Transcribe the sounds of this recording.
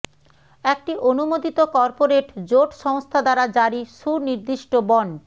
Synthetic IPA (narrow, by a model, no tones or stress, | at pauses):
ek̚ʈiʔonumod̪it̪okɔɾpoɾeʈd͡ʑoʈʃɔŋst̪ʰad̪aɾad͡ʑaɾiʃuɾniɾd̪iʃʈobɔɳɖ